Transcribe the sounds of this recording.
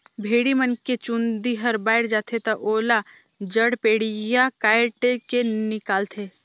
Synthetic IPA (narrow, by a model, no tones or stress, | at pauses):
bʱeːɽimənket͡ʃʊ̃nd̪iɦɐɾbaːɪɽd͡ʒaːt̪ʰet̪ɐʔoːla | d͡ʒəɽpeːɽijakaːɪʈekenɪkaːlt̪ʰeː